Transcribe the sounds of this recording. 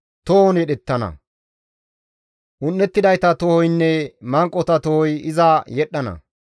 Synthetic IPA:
t̪ɔhɔnjɛɗɛt̪ːɐnɐ̰ | ʔʊnːɛt̪ːɪd̪ɐjt̪ɐt̪ɔhɔjnːɛmɐŋkʼːɔt̪ɐt̪ɔhɔjɪzɐjɛɗːɐnɐ̰

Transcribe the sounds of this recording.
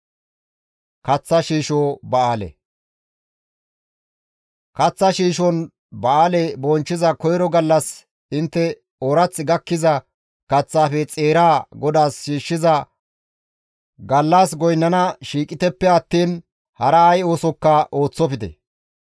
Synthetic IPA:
kɐt͡sːɐʃiːʃoːbɐaːlɛ̰ | kɐt͡sːɐʃiːʃɔn | bɐaːlɛbɔnt͡ʃːɪzɐkɔjɾɔɡɐlːɐs | ɪnt̪ːɛ | oɾɐt͡sːɪɡɐkːɪzɐ | kɐt͡sːaːfɛt͡sʼe̞ːɾaːɡɔd̪aːsʃiːʃːɪzɐ | ɡɐlːɐsɡɔjnːɐnɐʃiːkʼɪt̪ɛpːɛɐt̪ːiːn | hɐɾɐːjo̞ːsɔkːɐʔo̞ːt͡sːɔfɪd̪ɛ̰

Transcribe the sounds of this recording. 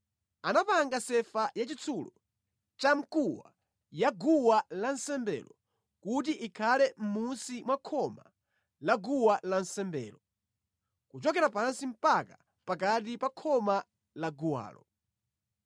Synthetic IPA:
anapaŋɡasɛfajat͡ʃit͡sʰulɔ | t͡ʃam̩kuwa̰ | jaɡuwalansɛmbɛ̰lɔ | kut̬iʔikʰalɛm̩musimwakʰɔma | laɡuwalansɛmbɛ̰ːlɔ | kut͡ʃɔkɛɾapansim̩paka | pak̬at̬ipakʰɔma | laɡuwa̰ːlɔ̰

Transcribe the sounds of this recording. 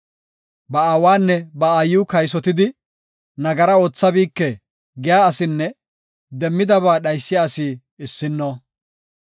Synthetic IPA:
bɐaːwaːnːɛbɐaːjuːkɐjs̬ɔt̪ɪd̪ɪ | nɐɡɐɾɐoːt͡sːɐbiːkːɛ | ɡɛjaːsɪnːɛ | d̪ɛmːɪd̪ɐβaːɗɐjsːɪjaːsiː | ɪsːɪnːo

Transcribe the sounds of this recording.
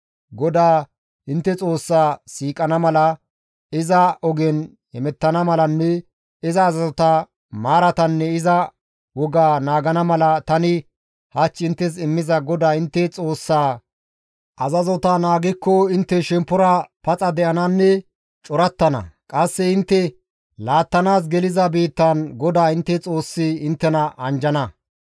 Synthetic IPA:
ɡɔd̪aː | ɪnt̪ːɛt͡sʼo̞ːsːaːsiːkʼɐnɐmɐlɐ | ɪzɐʔɔɡɛn | hɛmɛt̪ːɐnɐmɐlɐnːɛ | ɪzɐːzɐzɔt̪ɐ | maːɾɐt̪ɐnːɛɪzɐ | wɔɡaːnaːɡɐnɐmɐlɐt̪ɐnɪ | hɐt͡ʃːɪnt̪ːɛs̬ɪmːɪzɐɡɔd̪aːɪnt̪ːɛt͡sʼo̞ːsːaː | ʔɐzɐzɔt̪anaːɡɪkːɔɪnt̪ːɛʃɛmpːɔɾɐpɐt͡sʼɐd̪ɛʔɐnɐnːɛ | t͡ʃʼɔɾɐt̪ːɐnɐ̰kʼɐsːɛɪnt̪ːɛ | laːt̪ːɐnaːs̬ɡɛlɪzɐbiːt̪ːɐnɡɔd̪aːɪnt̪ːɛt͡sʼo̞ːsːɪɪnt̪ːɛnɐʔɐnd͡ʒɐnɐ

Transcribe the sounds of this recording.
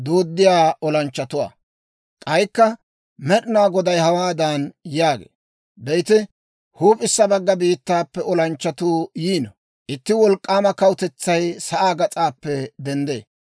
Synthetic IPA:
d̪oːd̪ːɪjaːɔlɐnt͡ʃːɐt̪ʊwa̰ː | kʼɐjkːɐ | mɛɗɪnaːɡɔd̪ɐjhɐwaːd̪ɐnjaːɡḛː | bɛjt̪ɪ | huːpʼɪsːɐbɐɡːɐbiːt̪ːaːpːɛɔlɐnt͡ʃːɐt̪uːjiːnɔ | ʔɪt̪ːɪwɔlkʼːaːmɐkɐwʊt̪ɛt͡sːɐjsɐʔaːɡɐt͡sʼaːpːɛd̪ɛnd̪ḛː

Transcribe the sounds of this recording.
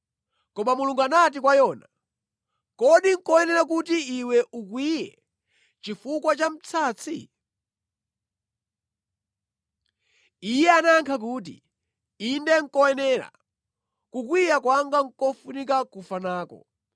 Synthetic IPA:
kɔmamuluŋɡanat̬ikwajɔna | kɔɗiŋ̩kɔjɛnɛɾak̬utiiwɛʔukwijɛ | t͡ʃifukwat͡ʃam̩t͡sʰaːt͡sʰi | ijɛanaŋkʰak̬uːt̬ḭ | indɛŋ̩kɔɛnɛːɾa̰ | kukwijakwaŋɡaŋ̩kɔfunik̬akufanaːkɔ̰

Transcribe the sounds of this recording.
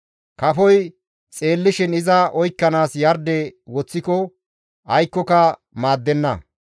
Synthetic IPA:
kɐfɔj | t͡sʼe̞ːlːɪʃɪnɪzɐɔjkːɐnaːsjɐɾd̪ɛwɔt͡sːɪkɔ | ɐjkːɔkɐ | maːd̪ːɛnːɐ̰

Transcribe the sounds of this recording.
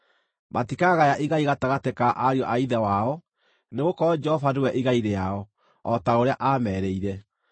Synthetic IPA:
mʔatikaɣajaʔiɣaiɣataɣatekaʔaɾiɔʔaiðɛwaɔ | neɣokɔɔd͡ʒɛhɔfadowɛʔiɣaiɾeaɔ | ɔtaoɾeaʔamɛɾeiɾɛ

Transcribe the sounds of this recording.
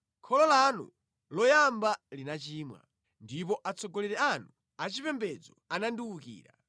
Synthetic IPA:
kʰɔlɔlanṵ | lɔjambalinat͡ʃiːmwa̰ | ndip̬ɔʔat͡sɔɡɔlɛɾɛanu | at͡ʃipɛmbɛd͡zɔananduwukḭːɾa

